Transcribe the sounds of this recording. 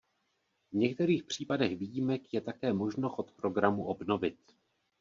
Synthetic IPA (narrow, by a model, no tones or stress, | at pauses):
vɲɛk̚t̪ɛɾiːxpr̝̥iːpadɛxvijimɛkjɛt̪akɛːmo̞ʒnoxot̪pɾo̞ɡɾamuʔo̞bno̞vɪt̪